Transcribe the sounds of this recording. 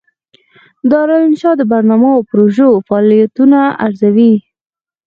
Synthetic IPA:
d̪ɑɾɑlɪnʃɑd̪əbaɾnɑmaopɾoʒofɑɑlijat̪unaaɾzawi

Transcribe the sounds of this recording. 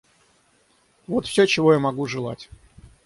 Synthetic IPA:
vot̪fsʲɵt͡ɕɪvo̞jamɐɡuʐɨlˠa̰tʲ

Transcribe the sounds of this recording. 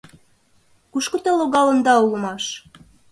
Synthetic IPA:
kuʃkŏt̪ɑloɣɑlə̆nd̪ɑulə̆mɑʃ

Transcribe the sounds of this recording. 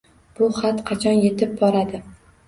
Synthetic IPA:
b̥ʊχat̪qʰɑt͡ʃʰɒnje̞t̪ʰɪp̚bɒɾad̪ɪ

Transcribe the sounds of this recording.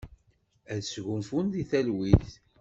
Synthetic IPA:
æðsʝʊmfunðiθælwiθ

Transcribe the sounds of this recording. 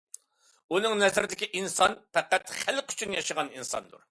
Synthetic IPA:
unɨŋnɛzɪɾɪd̪ɪkʲiʔinsɑnpʰɛqæt̪χælqy̥t͡ʃʰynjɑʃəʁɑninsɑ̰nd̪ṵɾ

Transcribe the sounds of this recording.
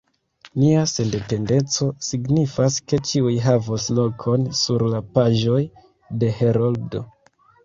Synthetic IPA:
niase̞nde̞pe̞nde̞t͡so̞siɡnifaske̞t͡ʃiujɦavoslo̞kʰo̞nsuɾlapaʒo̞j | de̞he̞ɾoldo

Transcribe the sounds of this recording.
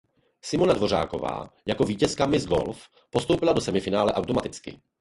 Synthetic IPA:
sɪmo̞nadvo̞ra̰ːko̞̰va̰ːjako̞viːcɛskamɪzɡo̞̰lf | po̞st̪owpɪlado̞sɛmɪfɪnaːlɛʔawt̪o̞mat̪ɪt͡skɪ̰

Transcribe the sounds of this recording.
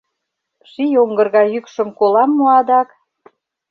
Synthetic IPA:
ʃijoŋɡɤ̆rɣɑjykʃə̆mkolɑmːoɑd̪ɑk

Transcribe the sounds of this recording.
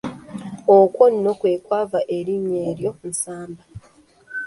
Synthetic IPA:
okwo̞nːo̞kwe̞ːkwaːvaʔe̞ɾiɲe̞ːɾjo̞n̩saːmba

